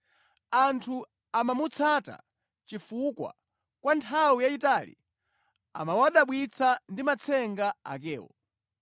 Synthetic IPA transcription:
antʰu | amamut͡sʰata̰ | t͡ʃifukwa̰ | kwantʰawijaitalḭ | a̰mawaɗaɓwit͡sʰandimat͡sʰɛŋɡaa̰kɛːwɔ̰

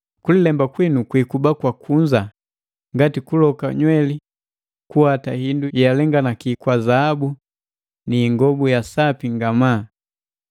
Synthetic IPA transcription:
kulilɛmbakwinukwikubakwakʰuɲd͡ʒa | ŋɡatikulɔka̰ɲwɛli | kuhatahindujjalɛŋɡanakikwazaabu | niːŋɡɔbujasapiŋɡamaː

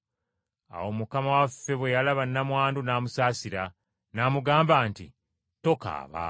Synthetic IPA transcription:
a̰wo̞mukamawafːe̞βwe̞jalaβanːamwaːndunaːmusaːsiɾa | naːmuɡaːmbaːntḭ | to̞ka̰ːβa̰

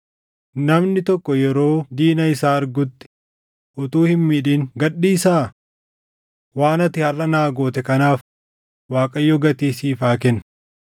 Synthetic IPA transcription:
nɐmnɪt̪ɔkːɔjɛɾo̞ːd̪iːnɐɪsaːɐɾɡʊt̪ːɪ̥ | ʔʊt̪uːhɪnmiːᶑiːŋɡɐɗːiːsaː | waːnɐt̪ɪhɐrːɐnaːɡo̞ːt̪ɛkɐnaːf | waːkʼɐjːɔɡɐt̪iːsiːfaːk̬ɛn

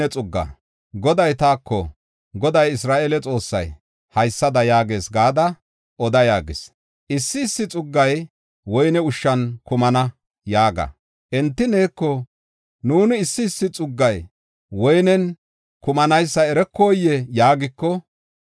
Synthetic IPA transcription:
ɛt͡sʼʊɡːɐ̰ | ɡɔd̪ɐjt̪aːkːɔ | ɡɔd̪ɐjɪsɾaːʔelɛt͡sʼo̞ːsːɐ̰j | hɐjsːɐd̪ɐjaːɡe̞ːsɡaːd̪ɐ | ʔɔd̪ɐjaːɡɪs | ʔɪsːɪːsːɪt͡sʼʊɡːɐj | wɔjnɛʊʃːɐnkʊmɐnɐ | jaːɡɐ̰ | ʔɛnt̪ːɪne̞ːkːɔ | nuːnɪːsːɪːsːɪt͡sʼʊɡːɐj | wɔjnɛn | kʊmɐnɐjsːɐɛɾɛkːoːjːɛjaːɡɪkːɔ

